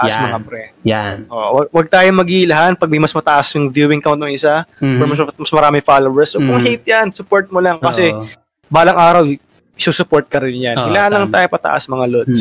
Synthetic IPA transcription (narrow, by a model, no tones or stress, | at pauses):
ɐʔasmɐŋapɾɛaʔoʔwɐɡ̚wɐɡ̚t̪aːjomɐɡilɐɦanpɐɡ̚mɐjmɐsmɐt̪ɐʔɐsʊŋvjuːwɪŋkawnt̪ʊŋʔɪsapɛmɐsmɐsmɐɾaːmɪŋfaːlowɛɹsːokʊŋhejt̪̚jansʊpoɹt̪̚molaŋkɐsɛ | baːlɐŋʔaːɾɐw | ɪsusʊpoɹt̪̚kɐɾɪnjanɪlɐhanlɐŋt̪aːjopɐt̪ɐ̰ʔa̰smɐŋalod̪s